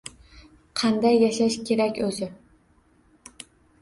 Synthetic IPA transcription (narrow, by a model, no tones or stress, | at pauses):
qʰɑnd̪ajːɑʃaʃkʲʰeɾakʲɵzɪ